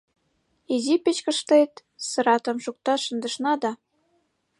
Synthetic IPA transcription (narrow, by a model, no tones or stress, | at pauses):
izipet͡ɕkə̆ʃt̪ejt̪ | sɤ̆ɾɑt̪ɤ̆mʃuk̚t̪ɑʃə̆nd̪ə̆ʃnɑd̪ɑ